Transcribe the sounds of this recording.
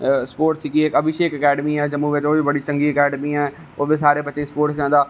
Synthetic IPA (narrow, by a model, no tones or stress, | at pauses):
spoːɾʈsikiekɐbɪʃeːkəkɛːɖmiɛːd͡ʒɐmːuʋɪt͡ʃoːbibɐɽit͡ʃə̃ŋɡiəkɛːɖmiɛː | oːbesaːɾepɐt͡ʃəispoːɾʈsd͡ʒãːd̪aː